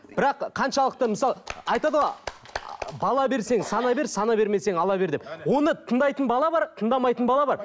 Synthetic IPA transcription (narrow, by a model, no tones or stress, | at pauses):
b̥ɪɾɑqqʰɑnʃɑlˠəq̚t̪əməsɑlˠɑjt̪ɑd̪əlˠɑ | bɑlˠɑbe̞ɾse̞ŋzsɑnɑbe̞ɾsɑnɑbe̞ɾme̞se̞ŋɑlˠɑbe̞ɾd̪epwo̞nət̪ʰənd̪ɑjt̪ənbɑlˠɑbɑɾt̪ʰənd̪ɑmɑjt̪ənbɑlˠɑbɑɾ